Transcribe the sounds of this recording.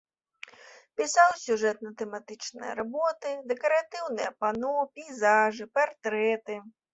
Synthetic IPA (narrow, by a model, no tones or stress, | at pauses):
pʲisawsʲuʐɛt̪nɐt̪ɛmat̪ɨt͡ʂnɨjɐ̰ɾabɔt̪ɨd̪ɛkɐɾat̪ɨwnɨjɐpanɔpʲijzaʐɨpart̪ɾɛt̪ɨ